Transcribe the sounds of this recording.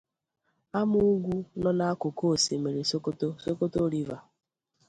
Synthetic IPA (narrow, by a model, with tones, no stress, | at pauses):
a˦mʊ˦ɡʷu˦nɔ˦na˦a˦kʊ˨ko˦˨se˨me˨ɾi˨sto˦so˦ko˦to˦ɾi˦va˨